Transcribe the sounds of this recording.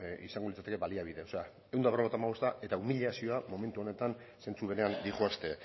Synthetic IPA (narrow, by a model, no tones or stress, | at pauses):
ḭsaŋɡolit͡sat̪e̞ke̞βaliaβiðe̞o̞se̞a | ewnd̪aβrat̪amaɣost̪aʔe̞t̪aumiʎasio̞amo̞me̞nt̪uo̞ne̞t̪an | se̞nt͡suβe̞ne̞and̪iʝuast̪e̞